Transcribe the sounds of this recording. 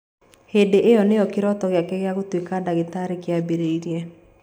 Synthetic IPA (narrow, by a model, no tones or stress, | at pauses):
hedeʔejɔnejɔkeɾɔtɔɣeakɛɣeaɣotwekadaɣetaɾekeabeɾeiɾijɛ